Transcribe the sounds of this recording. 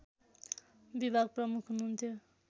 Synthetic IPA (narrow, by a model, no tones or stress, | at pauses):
bibʱaɡ̚prʌmukʰɦunuunt̪ʰjo